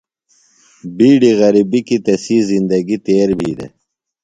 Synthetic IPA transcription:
biːɖiɣɐɾibikit̪ɐsiːzind̪ɐɡit̪eːɾbʱḭːd̪ḛ

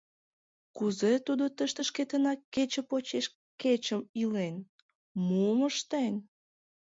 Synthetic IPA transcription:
kuzet̪ud̪ot̪əʃt̪əʃket̪ənɑkːet͡ɕə̆pot͡ɕeʃ | ket͡ɕəmilen | muməʃt̪enʲ

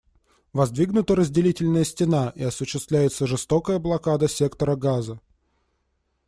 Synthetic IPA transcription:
vɐzd̪vʲiɡnʊt̪əɾəzʲdʲɪlʲitʲɪlʲnəjəsʲtʲɪnaʔiɐsʊɕːɪst̪vlʲæjɪt̪səʐɨst̪o̞kəjəblˠɐkad̪əsʲe̞kt̪əɾəɡazə

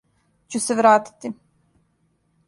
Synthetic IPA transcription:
t͡ɕuseʋɾaːt̪i̥t̪i

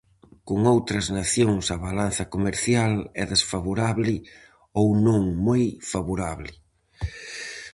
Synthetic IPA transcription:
koŋowt̪ɾɐznaθjoŋsɐβalan̟θɐkomeɾθjalɛðesfaβoɾaβlɪ | ownõŋmojfaβoɾaβlɪ

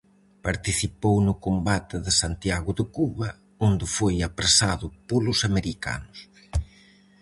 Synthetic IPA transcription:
paɾt̪iθipownʊkombat̪ɪðɪsant̪jaɣʊðɪkuβɐ | ond̪ɪfojapɾesaðʊpolʊsameɾika̰nʊs

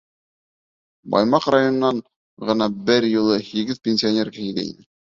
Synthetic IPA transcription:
bɑ̰jmɑqrajonɤ̆nɑɴ | ʁɤ̆nɑbɘɾjŭlˠɤhiɡɘðpʲenʲsʲionʲerkæhid̪æ̰ḭnɘ

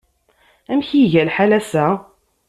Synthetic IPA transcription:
æmçiʝælħalæsæ

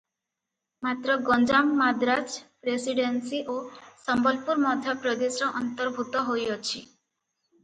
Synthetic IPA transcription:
mat̪ɾɔɡɔnd͡ʒamːad̪ɾaspɾesiɖensiʔosɔmbɔlpuɾmɔd̪ʱjapɾɔd̪esɔʔɔnt̪ɔɾbʱut̪ɔɦojɔt͡ʃʰi

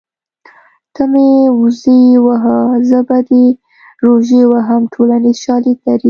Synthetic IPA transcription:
t̪amezewaɦazəbad̪e | ɾoʒewaɦamʈʰolanizʃɑlid̪laɾi

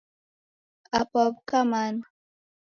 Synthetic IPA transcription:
apɔb̚kaman

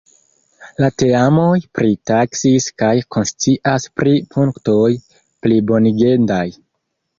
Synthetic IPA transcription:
late̞amo̞jpɾitaksiskajko̞nst͡siʔaspɾipʰuŋkto̞j | plibo̞niɡe̞ndaj

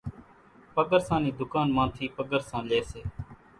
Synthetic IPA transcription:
pəɡəɾsãːniːd̪ʊkaːnmãːt̪ʰiːpəɡəɾsãːleːseː

